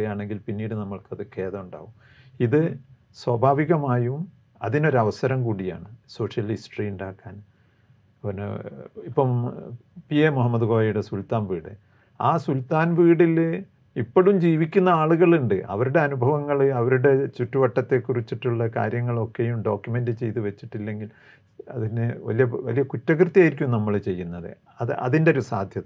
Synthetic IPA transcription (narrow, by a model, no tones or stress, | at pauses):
jaːɳe̞ŋɡilpinːiːɽɨnɐmːɐɭkɐðɨke̞ːðɐuɳɖa̰ːʋum | iðɨ | swɐbʱaːʋiɣɐmaːjum | ɐ̰ðino̞ɾɐʋɐsɐɾɐmkuːɽija̰ːɳɨso̞ːʂjɐlhisʈriuɳɖaːkːaːn | n̰ipːɐm | piemuɦɐmːɐðuɣoːɐjuɽe̞sult̪aːnʋiːɽɨ | aːsult̪aːnʋiːɽil | ipːoɽumd͡ʑiːʋikʲːunːɐaːɭuɣɐɭuɳɖɨʔɐ̰ʋɐɾuɽe̞ɐnubʱɐʋɐŋːɐɭɨɐʋɐɾuɽe̞t͡ɕutːuʋɐʈːɐt̪ːe̞kːurit͡ɕːiʈːuɭːɐka̰ːɾjɐŋːɐɭo̞kːe̞jumɖo̞ːkʲjume̞ndɨt͡ɕe̞jt̪̬uʋet͡ɕːiʈːilːe̞ŋɡil | ɐ̰ðinɨʋɐ̰lijɐʋɐ̰lijɐkutːɐkrɨt̪ːijaːjiɾikʲːumnɐmːɐɭt͡ɕe̞jːunːɐðɨ̰ | ɐðɨɐ̰ðindeoɾusaːd̪ʱjɐð